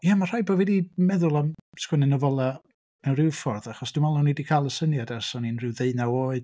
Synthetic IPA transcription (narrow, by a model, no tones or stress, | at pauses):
jamar̥aɨbɔvɛdimɛðʊlˠamskwɛnɛnəvɔlˠa | nawɾɪwfɔrðaχɔsd̥ɪmalˠnɔnidikʰaːlˠəsənjadɛrsɔninrɪwðeɨnawoːɨd